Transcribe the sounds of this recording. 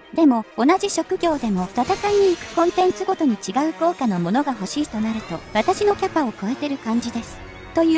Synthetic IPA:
d̪̥e̞mo̞ːnaʑiɕo̞kɯ̟ɡʲo̞ːd̪e̞mo̞t̪at̪akaɲ̟iːkɯ̟̥kõ̞nt̪ẽ̞nt͡sɨɡo̞t̪o̞ɲ̟it͡ɕiɡaɯ̟ko̞ːkano̞mo̞no̞ɡaɦo̞ɕiːt̪o̞naɾɯ̟t̪o̞βat̪aɕino̞kʲapao̞ko̞e̞t̪e̞ɾɯ̟kãɲ̟d͡ʑid̪e̞sɨ̥ | t̪o̞jɯ

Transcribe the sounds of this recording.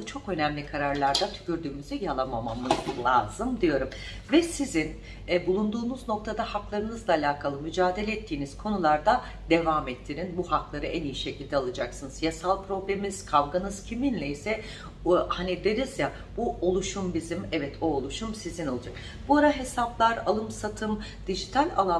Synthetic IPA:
t͡ʃʰo̞kø̞næmlʲikʰaɾaɾlʲˠaɾd̪at̪ʰy̥cyɾd̪yːmyzɛjalˠamamamɯzlˠa̰ːzɯmd̪ijo̞ɾum | vɛsizin | bulˠund̪uːnuzno̞k̚t̪ʰad̪ahaklˠaɾɯnɯzlˠaːlʲaːkʰalˠɯmyd͡ʒaːd̪e̞lʲɛːt̪ʰːiːniz̥kʰo̞nulˠaɾd̪a | d̪e̞vamɛt̪ʰːiɾinbuhaklˠaɾɯʔænijiʃe̞cʰilʲd̪ɛalˠad͡ʒaksɯnɯzjasalˠpʰɾo̞blʲemiz̥kʰavɡanɯz̥cʰiminlʲɛisɛ | hanid̪e̞ɾizja | b̥uolˠuʃumbizimɛvɛt̪ʰoːlˠuʃumsizino̞lˠad͡ʒak | b̥uaɾaɦe̞saplˠaɾalˠɯmsat̪ʰɯm | d̪̥iʒit̪ʰalʲa̰lˠa

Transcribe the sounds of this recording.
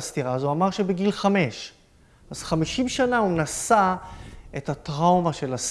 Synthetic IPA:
st̪iʁazuamaʁʃe̞beɡilχame̞ʃ | az̥χamiʃimʃanaunasa | etatʁawmaʃe̞las

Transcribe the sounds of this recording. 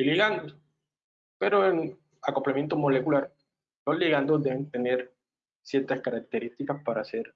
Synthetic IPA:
iliɣand̪os | peɾoen | ako̞plamje̞nt̪omo̞le̞kulaɾ | noliɣand̪ozd̪eβe̞nt̪ene̞ɾ | sjeɾt̪askaɾak̚t̪e̞ɾist̪ikaspaɾase̞ɾ

